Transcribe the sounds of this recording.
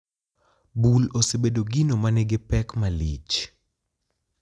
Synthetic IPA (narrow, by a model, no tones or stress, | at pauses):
bulosebedoɡinomaneɡɪpɛkmalḭt͡ʃ